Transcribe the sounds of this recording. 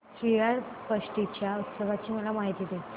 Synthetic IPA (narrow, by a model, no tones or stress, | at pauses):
ɕɾijaɽpəʂʈit͡ɕjaut̪səʋat͡ɕiːməlamaɦit̪id̪e